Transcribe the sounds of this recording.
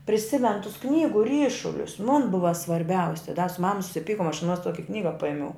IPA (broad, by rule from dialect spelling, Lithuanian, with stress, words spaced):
pʲrʲɪˈsʲɪmʲɛnʊ tʊs ˈknʲiːɡʊ ˈrʲiːʃʊlʲʊs mʊn ˈbʊʋɐ sʋɐrʲˈbʲɛʊsʲɪ dɐ sʊ ˈmɑːmɐ sʊsʲɪˈpʲiːkoːm ɐʃ ɐˈnuɔs ˈtuɔkʲɪ ˈknʲiːɡɐ ˈpɐɪmʲɛʊ